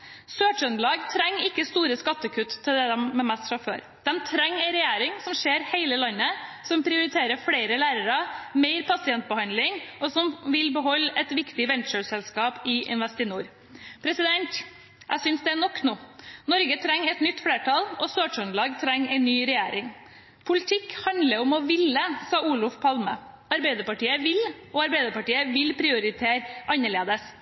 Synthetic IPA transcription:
søːt͡ʃœnlɑːɡt̪ʰɾɛŋːɪkːəst̪uːɾəskɑt̪ːəkʰʉt̪t̪ʰːɪld̪ɛd̪ɛmmɛmɛst̪fɾɑfø̰ːɾ | d̪̥ɛmt̪ʰɾɛŋːɛɪɾɛjæːɾɪŋsɔmʂeːɾheɪləlɑnːəsɔmpʰɾɪʊɾɪt̪ʰeːɾəfɽeɪɾəlæːɾəɾɑmeɪɾpʰɑsɪɛnt̪̚bəhɑnd̪lɪŋɔsɔmʋɪlbəɦɔlːɛt̪ʋɪkt̪ɪʋɛnʃøsɛlskɑːpɪʔɪ̰nʋɛst̪ɪnuːɾ | pʰɾɛsɪd̪ɛnt̪ | ʔæ̰sʏnsd̪ɛæɳɔkːnuːnɔɾɡət̪ʰɾɛŋːɛt̪nʏt̪ːfɽeːʈɑlɔsoːʈɔnlɑːɡt̪ʰɾɛŋːɛɪnːyːɾɛjæːɾɪŋ | pʰʊlɪt̪ʰɪkhɑnd̪ləɾɔmɔʋɪlːəsɑːuːlʊfpʰɑlmə̰ | ɑɾbɛɪd̪əɾpɑʈiːəʋɪl | ɔɑɾbɛɪd̪əɾpɑʈiːəʋɪlpʰɾɪʊɾɪt̪ʰeːɾʔɑnːəɭeːd̪əs

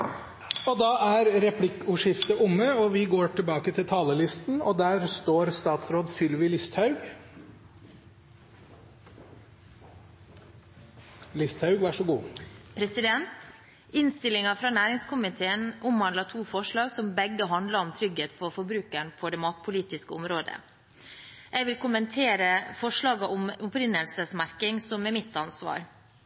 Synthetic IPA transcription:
ɔd̪ɑːæɾɾɛpʰlɪkːʊʂɪft̪əʔʊmːəɔʋɪɡoːʈʰɪlbɑːkət̪ʰɪlt̪ʰɑːləlɪst̪n̩ɔd̪æːɾst̪oːɾst̪ɑːt̪sɾoːd̪fʏlʋɪlɪst̪hɑʉɡ | lɪst̪hɑʉɡʋæʂɔɡuːpʰɾɛsɪd̪ɛnt̪ | ɪnst̪ɪlɪŋɑfɾɑːnæːɾɪŋskʊmɪt̪ʰeːənʔʊmʋɑnd̪ɑt̪ʰuːfɔʂɭɑːɡsɔmbɛɡːəɦɑnd̪lɑɾɔmt̪ʰɾʏɡeːt̪fɔɾfɔbɾʉːkæɳpʰɔd̪ɛmɑːt̪pʰʊliːt̪ɪskəʊmɾoːd̪ə̰ | ʔɛɪʋɪlkʰʊmənt̪ʰeːɾəfɔʂɭɑːɡɑʔʊmʊpɾɪnːəlsəsmæɾkɪŋsɔmɛmɪt̪ːɑnsʋɑ̰ːɾ

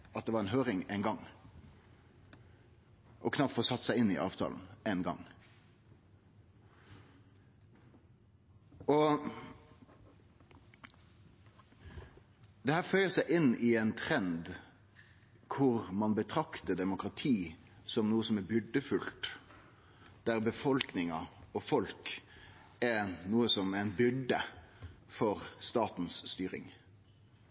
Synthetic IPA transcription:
ʔɑt̪̚d̪ɛʋɑʁɛnɦøːɾɪŋɛːnɡɑŋ | ʔɔkʰnɑp̚t̪foːsɑt̪ːsæɪɪnːɪ̰ʔɑ̰ːʋt̪ʰɑ̰ln̩enɡɑ̰ŋ | ɔ | d̪ɛhæːɾfœʏəsæɪʔɪnːɪɛnt̪ʰɾɛnd̪ | kʰʊɾmɑnbət̪ʰɾɑkt̪əd̪ɛmʊkɾɑt̪ʰiː | sɔmnuːəsɔmɛbʏɖəfʉlt̪ | d̪̥æɾbəfɔlknɪŋɑɔfɔlk | ɛnuːəsɔmæɪnbʏɖə | fɔɾst̪ɑːt̪n̩sst̪yːɾɪ̰ŋ

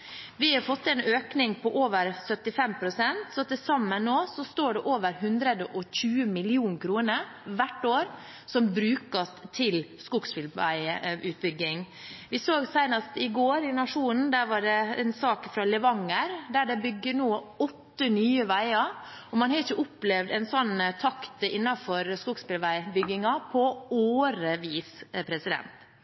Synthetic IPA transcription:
ʋɪhɑɾfɔt̪ːɛnøːknɪŋpʰɔʔoːʋəɾsœt̪ːɪfɛmpʰɾʊsɛnt̪sɔt̪ɛsɑmːənːoːsɔst̪oːɖɛʔoːʋəɾɦʉnd̪ɾəd̪əʔɔçʉːəmɪlɪuːnkʰɾuːnə | ʋæʈːoːɾ | sɔmbɾʉːkəst̪ʰɪlskʊɡsfʏlæ̰ɪəʉːt̪̚bʏɡɪŋ | ʋɪsoːɡsæɪnɑst̪ɪɡoːɾɪnɑʂuːnn̩d̪æɾʋɑɖɛɛ̰nsɑːkfɾɑlɛʋɑŋəɾd̪æɖɛbʏɡːənoːɔt̪ːənyːəʋæɪɑɔmɑnhɑɾɪçəʔʊplɛʋd̪ɛnsɔnt̪ʰɑkt̪ɪnːɑfɔɾskuɡspɪlʋæɪbʏɡɪŋɑpʰɔoːɾəʋiːspʰɾɛsɪd̪ɛ̰nt̪

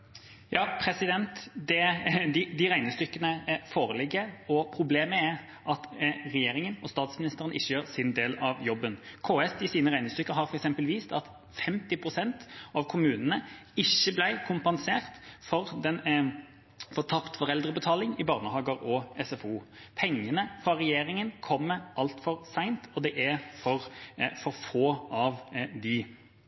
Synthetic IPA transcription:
jʔɑːpʰɾɛsɪd̪ɛnt̪d̪ɛd̪ɪd̪ɪɾæɪnəst̪ʏkːənəfoːɾəlɪɡːəɔpʰɾʊbleːməæʁ | ʔɑt̪ʁɛjeːɾɪŋənɔst̪ɑːt̪smɪnɪst̪əʁənʔɪçːəjøːɾsɪnd̪eːlɑʋjɔbːənkʰoːɛsɪsiːnəʁæɪnəst̪ʏkːəɦɑɾfɔɾɛksɛmpəlʋiːst̪ɑt̪ | fɛmt̪ɪpʰʁʊsɛnt̪ɑʋkʰʊmʉːnənəɪçːəblæɪkʰʊmpɛnseːʁt̪fɔɾd̪ɛn | fɔʁt̪ʰɑpt̪fɔʁɛld̪ɾəbət̪ʰɑːlɪŋɪbɑːʁnəhɑːɡəɾɔɛsɛfuːpʰɛŋːənəfʁɑʁɛjeːɾɪŋənkʰɔmːəʔɑlt̪fɔɾsæɪnt̪ɔd̪ɛʔæɾfɔʁfɔɾfoːʔɑʋd̪ɪ

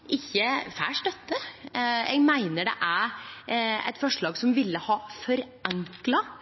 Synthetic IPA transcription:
ʔɪçːəfæ̰ːʂt̪œt̪ːə | ɛ̰ɡmæɪnəɖɛ̰ʔæɾ | ɛ̰ɪt̪fɔʂɭɑːɡsɔmʋɪlːəhɑːfɔɾ | ɛŋklɑ

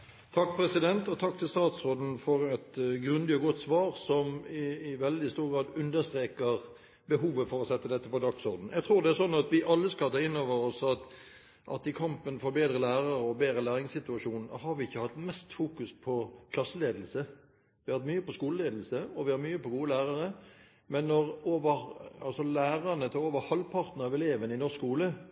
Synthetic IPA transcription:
t̪ʰɑkːpʰɾɛsɪd̪ɛnt̪ɔt̪ʰɑk̚ːt̪ʰɪlst̪ɑːt̪sʁoːd̪n̩fɔɾɛt̪ɡɾʉnd̪ɪɔɡɔt̪ːsʋɑːʁsɔmɪːʋɛld̪ɪst̪uːɾɡɾɑːd̪ʉnd̪əst̪ɾeːkəʁ | bəɦuːʋəfɔɾɔsɛt̪ːəd̪ɛt̪ːəpɔd̪ɑksɔɾd̪n̩jæɡt̪ʰɾuːʁd̪ɛæɾsɔnːɑt̪ʋɪʔɑlːəskɑlt̪ʰɑːɪnːoːʋəɾɔsɑt̪ | ʔɑ̰t̪ɪkʰɑmpənfɔɾbeːd̪ɾəlæːɾɑɾəɔbeːd̪ɾəlæːʁɪŋsɪt̪ʉɑʂuːnnhɑɾʋɪɪçːəhɑt̪ːmɛst̪fuːkʉspʰɔkʰlɑsːəleːd̪l̩sə | ʋɪhɑɾt̪myːəpɔskuːləleːd̪l̩səɔʋɪhɑɾmyːəpɔɡuːəlæːʁɑʁə | mɛnːɔʁoːʋəʁɑlsɔlæːʁɑnət̪ʰɑoːʋəɾhɑlpʰɑʁt̪n̩ɑʋɛleːʋənɪnɔʁskuːlə

